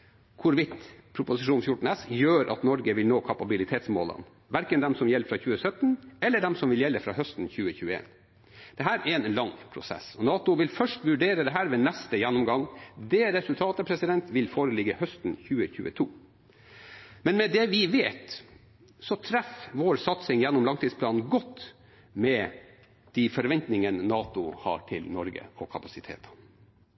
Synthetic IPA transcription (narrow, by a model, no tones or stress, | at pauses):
kʰʊɾʋɪt̪pʰɾʊpʊsɪʂuːnfjʊʈɳn̩ɛsjøːɾʔɑ̰t̪nɔɾɡəʋɪlnoːkʰɑpɑbɪlɪt̪ʰeːt̪smo̰ːlə̰n | ʋæɾkənd̪ɛmsɔmjɛlfɾɑːçʉːəsœt̪ːn̩ɛlːəɖɛmsɔmʋɪljɛlːəfɾɑ̰ːhœst̪n̩çʉːəçʉːəḛːn | d̪̥ɛɦæːɾɛɾɛnlɑŋːpʰɾʊ̰sɛ̰sɔnɑːt̪ʊʋɪlfœʂʈʋʉɖeːɾəd̪ɛɦæːɾʋɛːnɛst̪əjɛnːʊmɡɑŋd̪ɛːɾɛsʉlt̪ʰɑːt̪əpʰɾɛsɪd̪ɛnt̪ʋɪlfoːɾəlɪɡəhœst̪n̩çʉːəçʉ̰ːət̪ʰuː | mɛnmɛd̪ɛʋɪʋeːt̪ | sɔt̪ʰɾæfʋoːɾsɑt̪sɪŋjɛnːʊmlɑŋt̪iːd̪spʰlɑːnn̩ɡɔt̪ː | mɛ | d̪̥ifɔɾʋɛnt̪nɪŋənnɑːt̪ʊhɑ̰ːʈʰɪlnɔɾɡə̰ɔkʰɑpɑsɪt̪ʰḛːt̪ʰɑ̥